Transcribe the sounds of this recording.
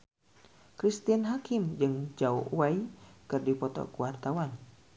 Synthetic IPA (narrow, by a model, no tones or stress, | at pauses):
kɾist̪ianɦakɪmd͡ʒɨŋd͡ʒauwaikɨrdipɔt̪ɔ̰kuwart̪awan